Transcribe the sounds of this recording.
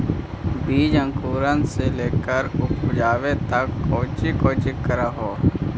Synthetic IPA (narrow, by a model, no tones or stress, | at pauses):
biːd͡ʒə̃ŋkuːɾənseleːkəɾʊpʰʊd͡ʒaːʋet̪əkːoːt͡ʃikoːt͡ʃɪkːəɾaɦoː